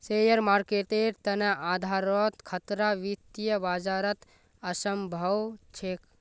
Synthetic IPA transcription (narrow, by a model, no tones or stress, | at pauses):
sejəɾmaːɾkeːʈeɾt̪ɐnɐʔaːd̪ʱaːɾɔt̪kʰɐt̪ɾaʋit̪jəbaːd͡ʒaːɾɐt̪ | ɐsəmbʱɐwt͡ʃʰek